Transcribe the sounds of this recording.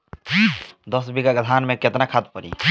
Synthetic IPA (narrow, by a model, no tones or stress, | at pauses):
d̪ɔsbiɡaɡəd̪ʱanmeket̪nakʰad̪̚pəɾḭ